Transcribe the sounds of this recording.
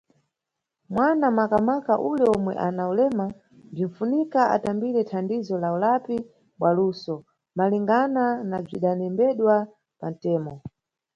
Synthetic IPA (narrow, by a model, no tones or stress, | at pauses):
mwanamakamakaʔulɛɔmwɛ̰ʔanaulɛma | b͡ʐiɱfunikaʔa̰tambiɾɛtʰandizɔlaulapi | ɓwaluːsɔ | maliŋɡananab͡ʐiɗanɛmbɛɗwa | pan̩tɛːmɔ